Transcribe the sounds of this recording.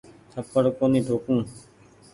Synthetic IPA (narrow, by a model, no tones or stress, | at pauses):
t̪ʰəpːəɽkoːniːɖʱoːkũː